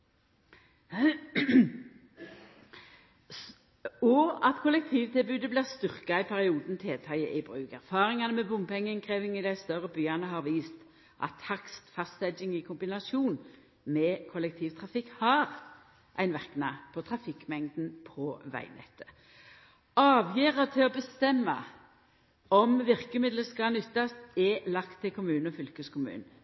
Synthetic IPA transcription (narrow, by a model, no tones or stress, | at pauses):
ɔɑt̪kʰʊlɛk̚t̪ʰiːʋt̪ʰɪlbʉːd̪əblæːʁst̪ʏʁkɑɪpʰæʁɪuːd̪n̩t̪ʰeːt̪ʰɑɪə̰ʔɪbʁʉːkæʁfɑːʁɪŋɑnəmɛbʊmpɛŋːəŋkʰʁeːʋɪŋɪd̪æɪst̪œʁəbyːɑnəɦɑʁʋiːst̪ | ʔɑ̰t̪hɑkst̪fɑst̪ɛd͡ʒɪŋɪkʰʊmbɪnɑsuːn | mɛkʰɔlɛk̚t̪ʰiːʋt̪ʰʁɑfɪkːhɑːʁ | ʔæ̰ɪnʋɛʁknɑ̰ːpʰɔt̪ʰʁɑfɪkːmɛŋd̪n̩pʰɔʋæ̰ɪnɛ̰t̪ʰːə̥ | ɑːʋjeːʁət̪ʰɪlɔbəst̪ɛmːɑ̰ | ɔmʋɪʁkəmɪd̪ləskɑnʏt̪ːɑst̪ɛlɑkt̪ʰːɪlkʰʊmʉːnɔfʏlkəskʊmʉ̰ːn